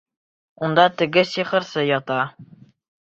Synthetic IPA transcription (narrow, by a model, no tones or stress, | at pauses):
und̪ɑt̪ɘ̆ɡɘsiχɤ̆ɾsɤjɒt̪ɑ